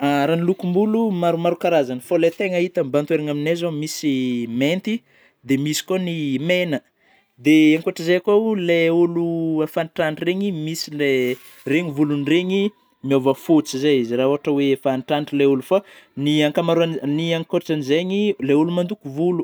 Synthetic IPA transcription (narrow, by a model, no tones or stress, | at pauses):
aɾanilukumbulumaɾumaɾukaɾazanəfolet̪eŋəit̪ambant̪weɾaŋaminazomisiment̪i | d̪emisi̥konimenə | d̪eaŋkoaʈ͡ʂəzejakoleuluafanʈ͡ʂaɳʈ͡ʂireɲimisile | reɲivulunreɲi | miovəfut͡sizaizirauaʈ͡ʂəwefanʈ͡ʂaɳʈ͡ʂileulufa | niaŋkamaɾuanniaŋkoɾaʈ͡ʂanizeɲileulumand̪ukuvulu